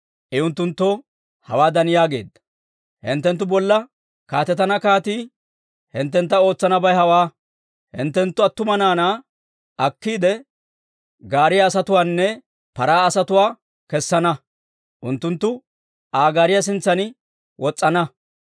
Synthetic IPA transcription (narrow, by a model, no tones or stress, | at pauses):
ʔɪʊnt̪ːʊnt̪ːo | hɐ̰waːd̪ɐnjaːɡe̞̰ːd̪ːɐ̥ | hɪnt̪ːɛnt̪̬ːʊbɔlːɐ | kaːt̪ɛt̪ːɐnɐkaːt̪iː | hɪnt̪ːɛnt̪̬ːɐo̞ːt͡sːɐnɐbɐjɦɐwaː | hɪ̰nt̪ːɛnt̪ːʊɐt̪ːʊmɐnaːnaː | ʔɐkːiːd̪ɛ | ɡaːɾɪjaːsɐt̪ʊwaːnːɛ | pɐɾaːɐsɐt̪ʊwaː | kɛsːɐnɐ | ʔʊnt̪ːʊnt̪ːʊ | aːɡaːɾɪjɐs̬ɪnt͡sːɐnɪ | wɔt͡sʼːɐnɐ